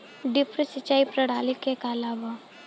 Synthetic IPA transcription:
ɖɪpɾəsɪt͡ʃːaːipɾɐɽaːlikekalaːʋa

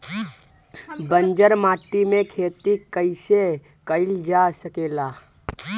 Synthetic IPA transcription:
bənd͡ʒəɾmaːʈːimẽkʰeːt̪ikəɪse | kəɪld͡ʒasəkeːla

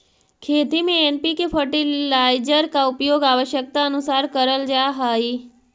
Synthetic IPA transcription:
kʰet̪imẽempikefʰəʈilajd͡ʒəɾkaupjoɡaʋəʃjək̚t̪aənusaɾkəɾəld͡ʒaɦəi

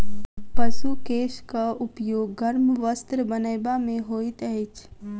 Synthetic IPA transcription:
pəʃukeːʃkaʊpjoːɡːɐɾmʋəst̪ɾəbənəjbamẽɦoːit̪əɪt͡ʃʰ

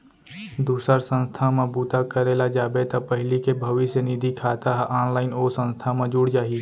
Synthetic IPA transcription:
d̪uːsəɾsə̃nst̪ʰamãbuːt̪akəɾeːlad͡ʒaːbet̪ɐpəɦɪlikebʱəʋɪsjənid̪ʱikʰaːt̪aɦʔaːnlaːɪnoːsə̃nst̪ʰamə̃d͡ʒuːɽd͡ʒaːɦi

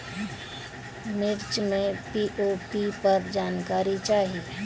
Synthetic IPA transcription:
mɪɾt͡ʃmẽpiʔopipɐɾd͡ʒaːnkaːɾit͡ʃaːɦie

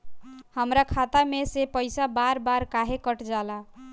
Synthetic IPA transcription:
həmɾakʰat̪amesepəɪsabaɾbaɾkaɦekəʈd͡ʒala

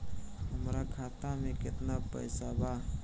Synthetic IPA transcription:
ɦəmɾakʰaːt̪amẽkɪt̪napə̰ɪsabaː

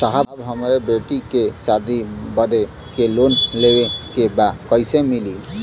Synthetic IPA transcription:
saɦabɦəmɾebeʈikesad̪ʱibʌd̪e | kelonlewekebakʌjsemili

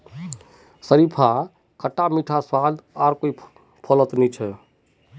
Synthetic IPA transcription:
səɾipʰa | kəʈːamiʈʰaswalaɾkoi | pʰɔlət̪nit͡ʃʰɛ

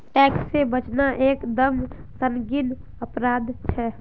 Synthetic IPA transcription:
ʈɛksːebət͡ʃnaʔeːkd̪əmsənɡin | əpɾad̪t͡ʃʰɛ

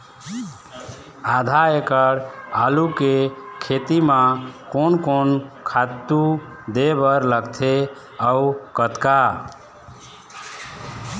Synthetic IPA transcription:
ad̪ʱaekəɽalukekʰet̪imãkonkonkʰat̪ːud̪ebəɾləɡt̪ʰe | əukət̪ka

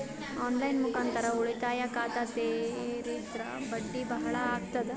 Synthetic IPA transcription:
ɔnlainmukãnt̪ɐɾauɭet̪ajakaːt̪at̪eɾiːt̪ɾa̰bəɖːiːbɐɦɐɭaːɡ̚t̪ɐd̪

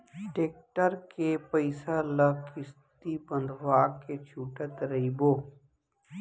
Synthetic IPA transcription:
ʈeːk̚ʈəɾkepəɪsaləkʰɪst̪ibə̃nd̪ʱʋaːket͡ʃʰuːʈət̪ɾɐiboː

